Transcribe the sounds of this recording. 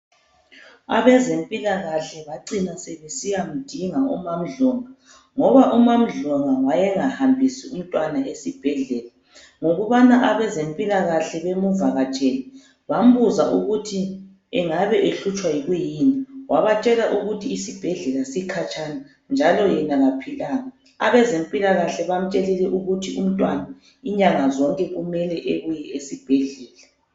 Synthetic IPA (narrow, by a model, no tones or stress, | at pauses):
a̰βɛzempʼilaɣaɬɛβaǀinaseβesijam̩d̥ʱiŋaṵmam̩ɮɔŋa | ŋɔβaʔumam̩ɮɔŋawajɛŋahambʱisium̩tʼwanaʔesib̥ʱɛɮɛla | ŋoɣuβanaʔaβɛzempʼilaɣaɬɛβemuvaɣat͡ʃʼeni | βam̩βuzaʔuɣutʰi | ɛŋaβɛʔeɬut͡ʃʼwajiɣujiniwʔaβat͡ʃʼɛlaʔuɣutʰiːsib̥ʱɛɮɛlasikʰat͡ʃʼana | nd͡ʒʱalɔjɛnaɣapʰilaŋa | aβɛzempʼilaɣaɬɛβam̩t͡ʃʼɛlɛlɛʔuɣutʰium̩tʼwana | iɲaŋazɔŋkʼɛɣumɛlɛʔeɣujɛesib̥ʱɛɮɛːla